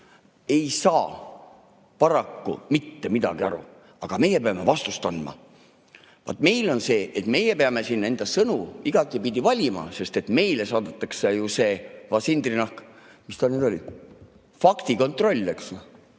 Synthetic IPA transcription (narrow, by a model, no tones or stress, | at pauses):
e̞jsɑː | pɑɾɑkːṵmit̪ːe̞mid̪̥ɑ̰ɡ̥iɑ̰ɾṵ | ɑɡ̥ɑme̞jepeɑme̞vɑst̪ust̪ɑnd̪mɑ̰ | vɑ̰t̪me̞jlo̞nse̞ːʔet̪me̞jepeɑme̞sinːe̞nd̪̥ɑsɤnuiɡ̥ɑk̪ːˑipid̪̥ʲivɑlʲimɑ̰se̞st̪e̞t̪me̞jle̞sɑːd̪et̪ːˑɑksejuse̞ːvɑsind̪rinɑhk | mist̪ɑneːd̪o̞lʲḭ̥ | fɑkt̪iko̞nt̪ˑro̞lʲːeks